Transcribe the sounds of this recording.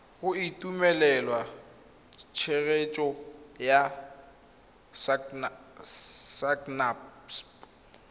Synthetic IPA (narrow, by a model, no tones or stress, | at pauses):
ɣʊitʼumɛlɛlwa | t͡ʃʰeɣet͡ʃʼɔja | s | saknaps